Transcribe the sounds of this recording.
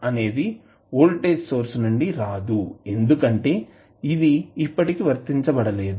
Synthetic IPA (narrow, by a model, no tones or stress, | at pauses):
ɐne̞ːd̪i | oːlʈeːsso̞ːɾsnuɳɖiɾaːd̪ue̞nd̪ukɐɳʈe̞ː | id̪iːpːɐʈikiʋɐɾt̪iɲt͡ʃɐbɐɽɐle̞ːd̪u